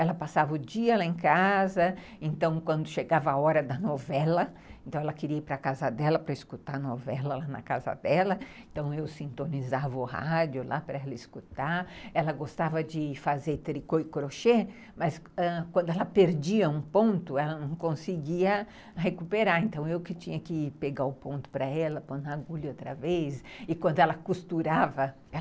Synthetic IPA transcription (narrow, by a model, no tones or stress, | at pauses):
ɛlɐpasavɐʊd͡ʒiɐlaẽkazɐ | ẽnt̪ɐ̃w̃kwɐ̃nd̪ʊʃeɡavɐaɔɾɐd̪ɐnovɛlɐ | ẽnt̪ɐ̃w̃ɛlɐkɪɾiɐipɾɐakazɐd̪ɛlɐpɾɐiskut̪aɾnovɛlɐlanɐ̰kazɐ̰d̪ɛlɐẽnt̪ɐ̃w̃ewsĩnt̪onizavɐʊha̰d͡ʒjʊlʔapɾɐɛlɐiskut̪aɾɛlɐɡost̪avɐd͡ʒɪfazet̪ɾikoɪkɾoʃe | mɐsɛkwɐ̃nd̪ʊɛlɐpeɾd͡ʒiɐũpõnt̪ʊɛlɐnɐ̃w̃kõsɪɡiɐ | hekupeɾaɾẽnt̪ɐ̃w̃ewkɪt͡ʃĩɲɐkɪpeɡaʊpõnt̪ʊ̥pɾɐɛlɐpõnaɡuʎʊot̪ɾɐvesɪkwɐ̃nd̪ʊɛlɐkust̪uɾavɐ | ɛ